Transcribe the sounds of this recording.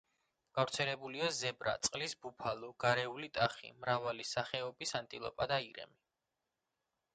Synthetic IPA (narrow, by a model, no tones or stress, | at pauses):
ɡ̥avɾt̪sʰɛlɛbuliazɛbɾa̰t̪sʼqʼlisbupʰaluɡ̥aɾɛulit̪ʼaχḭmɾavalisaχɛɔbisant̪ʼilˠɔ̰pʼad̪aiɾɛ̰mi